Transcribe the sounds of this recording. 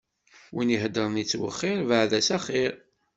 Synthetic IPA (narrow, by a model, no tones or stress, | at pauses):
winiɦəd̪əɾˤənit͡sːwə̰χːɪɾvəʕðæsæχɪɾ